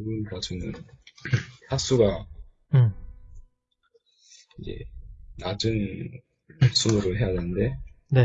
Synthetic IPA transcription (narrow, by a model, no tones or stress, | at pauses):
uɡɯnkʌd͡ʑʰɯmɯn | tʰas͈uɡa | id͡ʑe̞̰nad͡ʑɯn | sʰumɯɾɯɭɦe̞jadenɯnde̞ne